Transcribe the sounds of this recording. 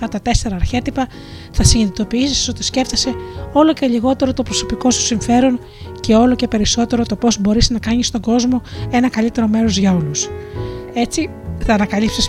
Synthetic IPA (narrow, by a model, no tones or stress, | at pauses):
ɐt̪ɐt̪e̞se̞ɾɐːɾçe̞t̪ipɐ | θɐsiɲinit̪o̞piisisso̞t̪isce̞ft̪ese̞o̞lo̞ce̞ʎiɣo̞t̪e̞ɾo̞t̪opɾo̞so̞piko̞su̥siɱfe̞ɾo̞n | ce̞o̞lo̞ce̞pe̞ɾiso̞t̪e̞ɾo̞t̪o̞po̞zbo̞ɾisnɐkɐɲist̪o̞ŋɡo̞zmo̞e̞nɐkɐlit̪e̞ɾo̞me̞ɾo̞zʝɐo̞lus | e̞t͡si | θɐːnɐkɐlipsis